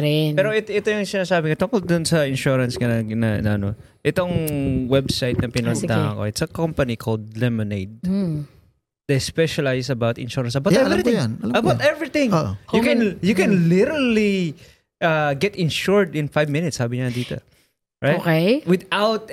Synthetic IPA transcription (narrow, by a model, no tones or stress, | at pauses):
ɾɛnpɛːɾoʔɛt̪ʔɛt̪ojʊŋsɪnaːsaːbɪŋot̪ʊ̃ŋkold̪ʊnsɐɪ̃nʃuɹɐnskɐnɐɡnɐnɐʔɐno | ʔɪt̪oŋwɛbsajt̪̚nɐpɪnond̪a̰ŋɐ̰ko̰ʔɪt̪sɐkɔmpɐnikʰold̪̚lɛmɪnejd̪̚ | d̥̪ɛspɛʃɐlajsɐbawt̪ɪ̰nʃuɹɐnsɐbaw̪ɛɾitɪŋjanɐlɐmɐbawt̪ɛvɹiθɪ̃ŋoʔjʊkɛ̃njʊkɛ̃nlɪɾəli | ʔɐɡɛt̪ɪ̃nʃuɹd̪ɪ̃nfajvmɪ̃nɪt̪shaːbɪɲɐd̪iːt̪o̰ | ɹajokejwɪd̪awt̪̚